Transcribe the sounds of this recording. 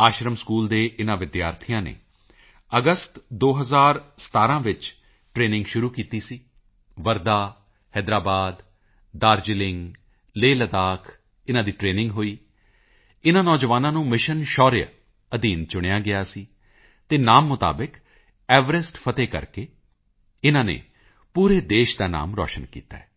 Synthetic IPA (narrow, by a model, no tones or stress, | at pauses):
aːʃɾəmskuːld̪eːʔɪnãːʋɪd̪jaːɾt̪ʰijãːnḛː | əɡəst̪d̪oːɦəzaːɾsə̥t̪aːɾãːʋɪt͡ʃ | ʈɾeːnɪ̃ŋɡʃʊɾuːkiːt̪iːsiː | ʋəɾd̪aː | hɛːd̪ɾaːbaːd̪ | d̪aːɾd͡ʒɪlɪŋɡ | leːlət̪aːkʰ | ɪnãːd̪iːʈɾeːnɪ̃ŋɡɦoːiː | ɪnãːnɔːd͡ʒəʋaːnãːnũːmɪʃənʃɔːɾɪja̰ | əd̪iːnt͡ʃʊɽ̃ejaːɡɪaːsiː | t̪eːnaːmːʊt̪a̰ːbɪk | ɛːʋəɾɪsʈpʰət̪eːkə̰ɾkeː | ɪnãːnḛː | puːɾeːd̪eːʃd̪aːna̰ːmɾɔ̰ːʃənkḭːt̪a̰ːɛː